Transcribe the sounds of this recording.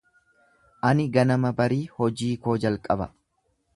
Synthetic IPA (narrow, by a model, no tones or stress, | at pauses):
ʔɐnɪɡɐnɐmɐbɐɾiːhɔd͡ʒiːko̞ːd͡ʒɐlkʼɐbɐ